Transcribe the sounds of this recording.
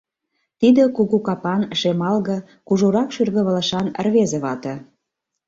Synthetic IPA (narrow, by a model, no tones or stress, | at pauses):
t̪id̪ə̆kuɣukɑpɑnʃemɑlɣɤ̆ | kuʒoɾɑkʃyrɣə̆βə̆lə̆ʃɑnə̰̆rβezĕβɑt̪ɤ̆